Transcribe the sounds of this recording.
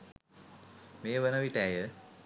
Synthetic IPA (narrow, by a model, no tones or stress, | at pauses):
meːʋənəʋiʈæjə